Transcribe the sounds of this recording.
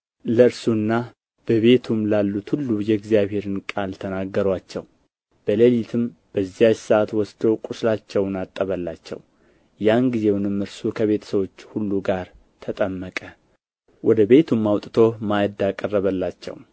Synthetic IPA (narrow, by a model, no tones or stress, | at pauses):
ləɨɾsunːa | b̥əβe̞t̪ʰumlalːut̪hulːujɛɡzijaβhe̞ɾɨnkʼalt̪ʰənaɡːəɾwat͡ʃːɛ̰w | b̥əlelit̪ʰɨmb̥əzːijasaat̪wɔsd̪owkʼuslat͡ʃːɛwnat̪ʼːəβəlːat͡ʃːɛ̰w | janɡize̞wnɨmːɨɾsukʰəβe̞t̪ʰə̥səwo̞t͡ʃːhulːuɡaɾ | t̪ʰət̪ʼəmːəkʼə | wʔɔd̪əβe̞t̪ʰumːawt̪ʼɨt̪ʰo̞majəd̪akʼərːəβəlːat͡ʃːɛ̰w